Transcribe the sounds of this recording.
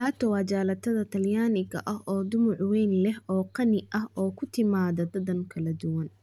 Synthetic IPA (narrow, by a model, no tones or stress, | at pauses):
t̪ʰaːt̪ʰɐwɑːt͡ʃaːlɐt̪ʰɐðɐt̪ʰɐljaːnɪɣɐʔɐɦʔɔːd̪ʊmʊʕwɛjnlɛhɔːqɑnɪʔɐhɔːkʰʊt̪ʰɪmaːðɐd̪ɐðɐŋkʰɐlɐd̪ʊwɐn